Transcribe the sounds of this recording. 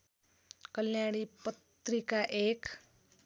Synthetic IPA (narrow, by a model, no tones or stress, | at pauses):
kʌljaɽ̃ipʌt̪rikaʔek